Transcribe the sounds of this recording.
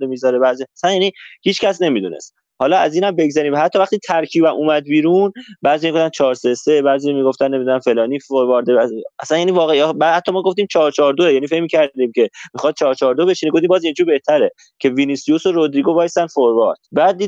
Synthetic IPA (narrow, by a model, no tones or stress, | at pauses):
lemizɒɾebæziæsænjæːnihiːt͡ʃcæsne̞mid̪unḛst̪ | hɒːlɒæziːnæmbe̞ɡzæɾiːmvhæt̪ʰːɒːvæχt̪iːt̪ʰæɾcʰiːbæmʔuːmæd̪̚biːɾunbæːɾzijmiɡoft̪ænt͡ʃʰɒːɾsese̞bæːzijmiɡo̞ft̪ænːe̞mid̪unænfe̞lɒːniːfoɾvɒːɾd̪eææsænjæːniːvɒːɣebhæt̪ʰːɒːmɒːɡo̞ft̪iːmt͡ʃʰɒːɾt͡ʃʰɒːɾd̪oejæːniːfe̞cmiːcʰæɾd̪iːmcʰe̞mixɒːd̪̚t͡ʃʰɒːɾt͡ʃʰɒːɾd̪obe̞ʃiniɡoft̪iːmbɒːzind͡ʒuːɾbe̞ht̪ʰæɾe | cʰe̞vinisijusoɾod̪ɾiɡo̞vɒːjst̪ænfoɾvɑ̰ɾd̪̥̚bæːd̪̚d̪ːi